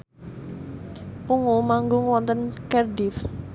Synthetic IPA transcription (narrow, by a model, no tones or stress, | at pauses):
puŋumaŋɡʊŋwɔnt̪ənkɛrdif